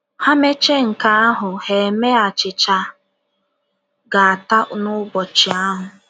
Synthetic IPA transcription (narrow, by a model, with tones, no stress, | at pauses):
ha˦me˦t͡ʃe˦ŋ̩˨ka˦a˦ɦʊ˨he˨me˦a˨t͡ʃɪ˨t͡ʃa˦ | ɡa˨a˨ta˦nʊ˦bɔ˨t͡ʃɪ˨a˦ɦʊ˨